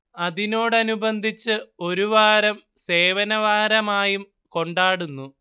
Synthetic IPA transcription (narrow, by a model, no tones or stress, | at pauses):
ɐðino̞ːɽɨɐnubɐnd̪ʱit͡ɕːɨo̞ɾuʋaːɾɐmse̞ːʋɐnɐʋaːɾɐmaːjum | ko̞ɳɖaːɽunːu